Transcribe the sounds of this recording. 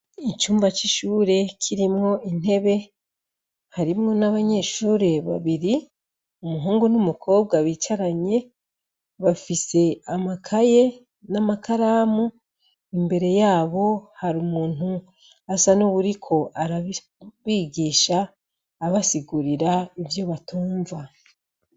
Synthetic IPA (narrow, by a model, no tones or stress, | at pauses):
it͡ʃuːmvat͡ʃiʃuːɾe̞kʰiɾimŋo̞in̥he̞βe̞ | haɾimŋo̞naβaɲe̞ʃuːɾe̞βa̰βiɾi | umuɦuːŋɡunumukʰo̞ːbɡaβit͡ʃaɾaɲe̞ | βafise̞amakʰaje̞ | namakaɾaːmu | imbe̞ɾe̞jaːβo̞haɾumuːn̥hu | asanuβuɾikʰo̞ʔaɾaβ | βiːɡiːʃaː | βasiɡuɾiɾaivjo̞βatuːɱva